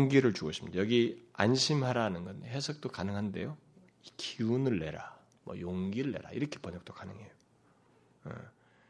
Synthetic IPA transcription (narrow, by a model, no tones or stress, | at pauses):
ŋɡiɾɯɭt͡ɕuɡʌɕʰimɲidajʌɡianɕʰimɦaɾanɯnɡʌnɦesʰʌk̚t͈okanɯŋɦande̞̰jo | ikʰiunɯɭːe̞̰ɾa | mʌ̰joŋɡiɾɯɭːe̞̰ɾa̰iɾʌkʰe̞pʌɲʌk̚t͈okanɯŋe̞jo | jḛ